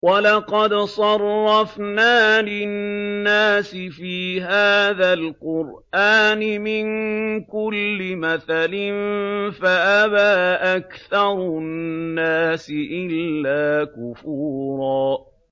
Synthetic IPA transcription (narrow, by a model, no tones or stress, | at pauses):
wɑlɑqɑd̪sˤɑrˤːɑfnaːlɪnnːaːsɪfiːɦaːðalqʊɾʔaːnɪmɪŋkʊlːɪmaθalɪnfaʔaβaːʔakθɑɾˤnːaːsɪʔɪlːaːkʊfuːɾˤɑː